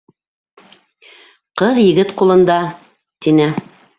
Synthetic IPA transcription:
qɤðjɘ̆ɡɘt̪qulˠɤ̆nd̪ɑ | t̪inɘ

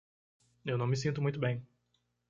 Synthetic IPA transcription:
ewnɐ̃w̃mɪsĩnt̪ʊmũj̃t̪ʊbẽj̃

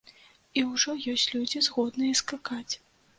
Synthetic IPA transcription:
iwʐɔjɔsʲt͡sʲlʲud͡zʲizɣɔd̪nɨjɛskakat͡sʲ

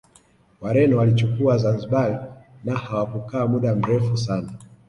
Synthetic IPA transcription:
waɾɛnɔwalit͡ʃukuazanziɓalinahawakukaːmuɗam̩ɾɛfusana

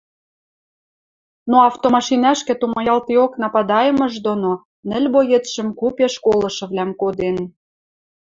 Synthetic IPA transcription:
noɑft̪omɑʃinæʃkĕt̪umɑjɑlt̪ioknɑpɑd̪ɑjə̆mɤ̆ʒd̪ono | nɘ̆lʲbojet̪ʃə̆mkupeʃkolɤ̆ʃɤ̆βlæmkod̪en

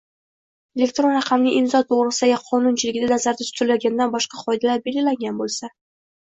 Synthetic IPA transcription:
e̞lʲe̞kt̪ɾo̞nɾɑqʰɑmnɪŋʲʔɪmzɒt̪ʰoʁɾɨsɪajʲaqʰɒnʊnt͡ʃʰɪlɪɡʲɪd̪ad̪asaɾd̪at̪ʰʊ̥t͡ʃ̪ɪɾlaɡʲand̪anbɒʃqɑqʰɒjd̪alaɾbe̞lɡʲɪlaŋɡʲanbolˠsa

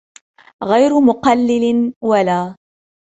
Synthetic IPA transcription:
ɣajɾʊmʊqɑlːɪlɪnwalaː

